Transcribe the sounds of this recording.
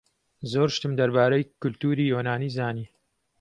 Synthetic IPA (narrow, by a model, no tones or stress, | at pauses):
zoːɾʃt̪ɨmd̪ɐɾbaːɾejkʊlt̪uːɾiːjoːnaːniːzaːniː